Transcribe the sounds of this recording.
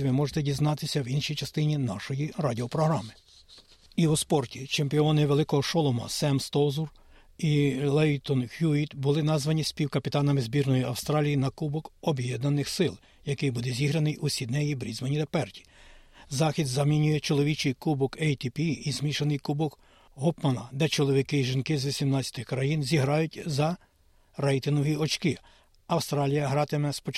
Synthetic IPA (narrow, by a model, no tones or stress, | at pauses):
ʋɪmɔʒet̪ɛdʲiznɑt̪ɪsʲɐwinʃijt͡ʃɐst̪ɪnʲinɑʃɔjirɑdʲiɔpɾɔɦɾɑmɪ | iwɔspɔrtʲit͡ʃempʲɪɔnɪʋelˠɪkɔɦɔʃɔlˠɔmɐ̰sɛmst̪ɔzur | ilˠɛjt̪ɔnxʲjuit̪bʊlˠɪnɑzʋɐnʲisʲpʲiwkɐpʲit̪ɑnɐmɪzbʲirnɔjiɐwst̪ɾɑlʲijinɐkubɔkɔbjɛd̪nɐnɪxsɪlˠ | jɐkɪjbud̪ɛzʲiɦɾɐnɪjusʲid̪nɛjibɾʲizmɐnʲid̪ɛpɛrtʲi̥zɑxʲid̪zɐmʲinʲujɛt͡ʃɔlˠɔʋʲit͡ʃɪjkubɔkɛjt̪ʲipʲiiːzmʲiʃɐnɪjkubɔk | ɦɔpmɐnɐd̪ɛt͡ʃɔlˠɔʋʲikɪʒinkɪzʋʲisʲimnɑt͡sʲɐ̥t̪ɪxkɾɐjinzʲiɦɾɑjʊtʲzɐ | ɾɛjt̪ɪnɔʋiɔt͡ʃkɪ | ɐwst̪ɾɑlʲijɐɦɾɑt̪ɪmɛspɔt͡ʃ